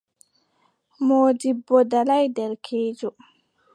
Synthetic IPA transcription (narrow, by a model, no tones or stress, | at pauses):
moːdibːɔdalajdɛɾkʰeːd͡ʒɔ